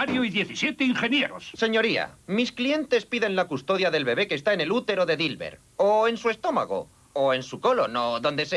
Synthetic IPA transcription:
aɾjoiðje̞θisjet̪eiŋxe̞njeɾosse̞ɲo̞ɾia̰misklie̞nt̪e̞spiðe̞nlakust̪o̞ðjaðe̞lβe̞βe̞ke̞ːst̪aene̞lut̪e̞ɾo̞ðe̞ðilβe̞̰ɾ | oensue̞st̪o̞ma̰ɣ̞o̰ | oe̞nsuko̞lono̞ðo̞nd̪e̞se

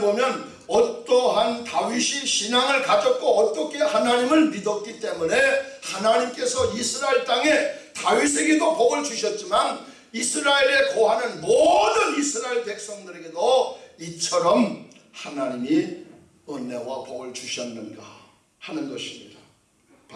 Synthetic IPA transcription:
bomjʌn | ʌt͈ʌɦantaɥiɕʰiɕʰinaŋɯɭkad͡ʑʌt̚k͈oʌt͈ʌkʰe̞hanaɲimɯɭmidʌt̚k͈it͈e̞mune̞hanaɲimk͈e̞sʰʌisʰɯɾaeɭt͈aŋe̞taɥis̬ʰe̞ɡe̞dopoɡɯɭt͡ɕuɕʰʌt̚t͡ɕ͈iman | isʰɯɾaeɾe̞koɦanɯnmodɯnisʰɯɾaeɭpe̞k̚s͈ʌŋdɯɾe̞ɡe̞doit͡ɕʰʌɾʌm | hanaɲimi | ɯne̞wapoɡɯɭt͡ɕuɕʰʌnːɯnɡa̰ | hanɯnɡʌɕʰimɲḭda | p

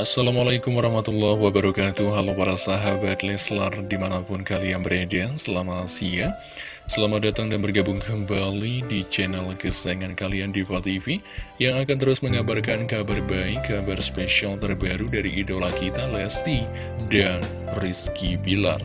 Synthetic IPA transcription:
ʔasalamalajkʊmwaɾɑhmat̪ulːɔhwabaɾakat̪uɦalapaɾasaɦabat̪lɛslardimanapʊnkalianbəɾadeansəlamasia | səlamadat̪aŋdanbərɡabʊŋkəmbalidit͡ʃɛnɛlkəsaŋankaliandifalt̪ifi | jaŋakant̪əɾʊsməŋabarkankabarbaɪkːabarspeʃialt̪ərbaɾudaɾiːdolakit̪alɛst̪i | dan | riskibila̰r

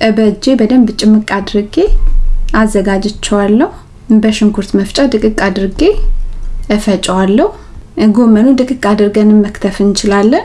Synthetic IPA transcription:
ʔəbəd͡ʒe̞bəd̪əmbɨt͡ʃʼːɪmɨkʼad̪ɨɾɡe̞ʔazːəɡad͡ʒɨt͡ʃːɛwalːəhu | bəʃɪŋkʰuɾt̪məft͡ʃʼad̪ɨkʼɨkʼad̪ɨɾɡe | ɨfət͡ʃʼwalːəhu | ɡomənud̪ɨkʼɨkʼad̪ɨɾɡənɨmːəkt̪ʰəfɨnt͡ʃɪlalːən

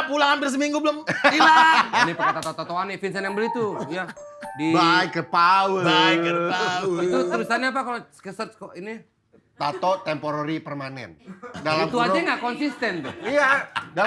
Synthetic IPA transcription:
pulaŋhampɪrs̬əmiŋɡubəlʊmilanipəkat̪at̪at̪at̪oanɪfinsɛnɛmbəlit̪ujadibajkəpawəiəait̪ut̪əɾisaɲap̬akaloskəsət̪̚skoini | t̪at̪ot̪ɛmpoɾoɾipərmanɛ̰ndalamt̪uad͡ʒaŋɡakɔnsist̪ɛnt̪iada

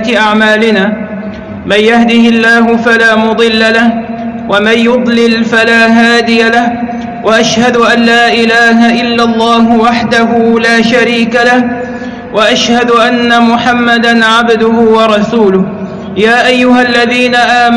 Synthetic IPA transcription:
t̪ɪʔaʕmaːlɪnaː | manjahd̪ɪhɪlːaːɦʊfalaːmʊd̪ˤɨlːalahwamanjʊd̪ˤlɪlfalaːɦaːd̪ɪjalah | waʔaʃhad̪ʊʔanːaːʔɪlaːɦaʔɪlːalˤːɑːɦʊwaħd̪aɦuːlaːʃaɾiːkalah | waʔaʃhad̪ʊʔanːamʊħamːad̪anʕabd̪ʊhʊwɑɾˤɑsuːlʊh | jaːʔajːʊhalːaðiːnaʔaːm

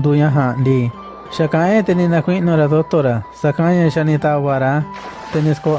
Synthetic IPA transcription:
d̪uɲãɦãnd̪iː | ʃakãẽt̪enĩnãkʷinũɾaðot̪oɾasakãɲãʃanĩt̪aβaɾa | t̪enĩsko

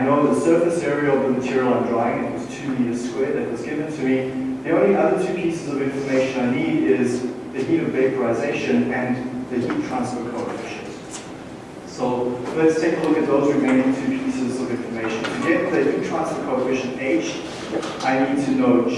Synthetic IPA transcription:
aɪnoʊðəsɜ˞fɨsɛɹiəl̩ˠʌvðəmətʰɪɹil̩ˠə̃ndɹɔɪɪ̃ŋ̃nɪ̃t̚wʌz̥tʰʉmiəz̥skwɛɹðɨt̚wʌzɡɪvə̃ntʰɨmiðiõʊ̃nliʔʌðətʰʉpʰisəzʌvɪ̃ɱfəmeɪʃə̃naɪniɾɪzðɨɦiɾʌvbeɪpəɹaɪzeɪʃɨ̃nɨ̃nðɨjitʰɹ̥ãnsfət̚kʰoʊəfɪʃə̰̃n | soʊlɛtstʰeɪkəlʊkɨt̪̚ðoʊzɹɨmẽɪ̃ñɪ̃ŋtʰʉpʰisəzʌvɪ̃ɱfəmeɪʃə̃nɨ̰̃njɛtðɨjʉtʰɹ̥æ̃nspət̚kʰoʊəfɪʃə̃neɪd͡ʒ | ʔaɪnid̚tʰɨnoʊt

